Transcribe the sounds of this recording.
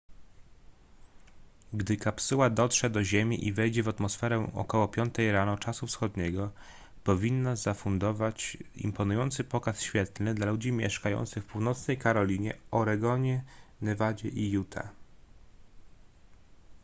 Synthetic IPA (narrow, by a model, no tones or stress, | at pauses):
ɡd̪ɘkapsuwad̪ɔt̪ʂɛd̪ɔʑemʲḭʔivɛjd͡ʑɛvat̪mɔsfɛɾɛɔ̰kɔwɔpʲjɔnt̪ɛjɾanɔt͡ʂasufsxɔd̪ɲɛɡɔ | pɔvʲinːazafund̪ɔvat͡ɕḭmpɔnujɔnt̪sɘpɔkasɕfʲjɛt̪lnɘd̪lalud͡ʑimʲjɛ̰ʂkajɔ̰nt̪sɘxfpuwnɔt̪snɛjkaɾɔlʲiɲɛɔɾɛɡɔɲɛnɛvad͡ʑɛ̰ʔijut̪ʰa̰